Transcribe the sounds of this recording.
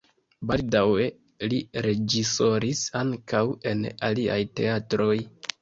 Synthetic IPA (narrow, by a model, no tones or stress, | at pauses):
baldawe̞ | liɾe̞d͡ʒiso̞ɾisaŋkawe̞̰nalia̰jte̞̰atɾo̞j